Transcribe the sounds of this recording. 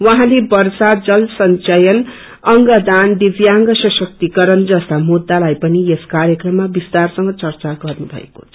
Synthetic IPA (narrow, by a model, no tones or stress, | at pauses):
waɦãlebʌrsad͡zʌlsʌnt͡sʌjʌn | ʌŋɡʌd̪and̪ibjaŋɡʌsʌsʌk̚t̪ikʌɾʌnd͡zʌst̪amud̪ːalajpʌnieskaɾjʌkrʌmːabist̪arsʌŋɡʌt͡sʌrt͡saɡʌrnubʱʌ̰ḛkot͡sʰʌ̥